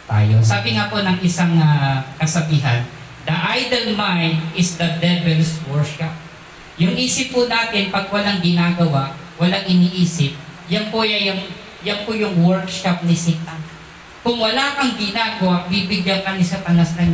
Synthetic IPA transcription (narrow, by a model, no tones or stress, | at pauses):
t̪a̰ːjo̞saːbɪŋaːponɐŋʔɪsaŋakɐsɐbiːɦɐn | d̪ɐʔajd̪ɐlmajnd̪ɪsd̪ɐd̪ɛbɛlswɛɹkʃap̚ | jʊŋʔiːsɪpːʊnaːt̪ɪnpɐɡ̚wɐlaŋɡɪnaːɡɐwaʔ | wɐlaŋʔɪniːʔiːsɪp̚jɐnpojɐjʊŋ | jɐnpojʊŋwɛɹkʃap̚nɪsit̪a | kʊŋwɐlaːkɐŋɡɪnaːɡɐwaʔbiːbɪɡjaŋkɐnɪsɐp̪ɐnasnɐɲ